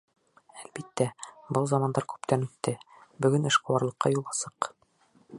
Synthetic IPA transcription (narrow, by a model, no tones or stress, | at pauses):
ælbit̪ːæbɤlˠzɑmɑnd̪ɑɾkʉ̥pt̪ʰænit̪ːɘbɵ̆ɡɘnɘ̆ʃqɤ̆wɑɾlˠɤ̆qːɑjulˠɑsɤq